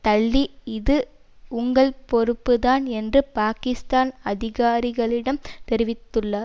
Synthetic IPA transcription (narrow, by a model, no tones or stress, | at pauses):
t̪ɐɭːiɪðɯ | ʊŋɡɐɭpɔɾɯpːɯðaːnɛndrɯpaːkɪst̪aːnɐðɪɣaːɾɪɣɐɭɪɽɐmt̪ɛɾɪʋɪt̪ːɯɭːɐ